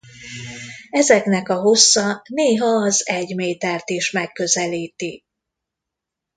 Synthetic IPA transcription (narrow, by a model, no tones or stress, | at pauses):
ɛzɛknɛkɒɦo̞sːɒneːɦɒːzɛɟmeːt̪ɛrt̪iʃmɛkːø̞zɛliːt̪i